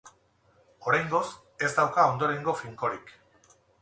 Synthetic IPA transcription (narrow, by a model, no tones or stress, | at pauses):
o̞ɾajŋɡo̞s | e̞zd̪awkao̞nd̪o̞ɾe̞ŋɡofiŋko̞ɾik